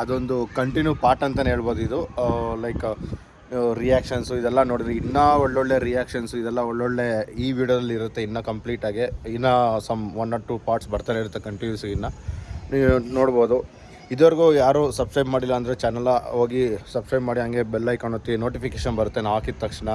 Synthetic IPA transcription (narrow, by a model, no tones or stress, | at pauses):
ɐd̪ond̪ukɐɳʈinjuːpaːɾʈɐnt̪ɐneɦeːɭboːd̪uid̪ulɐjk | ɾijaːkʂɐnsuid̪ɛlːɐnoːɽiɾiinːɐɔɭːoɭːe̞ɾijaːkʂɐnsuid̪ɛlːɐoɭːoɭːe̞iːʋiːɖijod̪ɐlːiːɾut̪ːe̞inːɐkɐmpliːʈaːɡeinːɐsɐmʋɐnɖaːʈuːpaːɾʈsbɐɾt̪aːneiɾut̪ːekɐɳʈinjuːsinːɐnnoːɽboːd̪u | id̪ʋɐɾɡujaːɾuːsɐbskɾɐjbmaːɽilːɐːnd̪ɐɾet͡ʃɛnːɐlɐɦoːɡisɐbskɾɐjbmaːɽiɦɐŋɡe̞bɛlːɐjkaːɳot̪ːino̞ːʈipikeːʃɐnbɐɾut̪ːenaakid̪̚t̪ːɐkʂɳɐ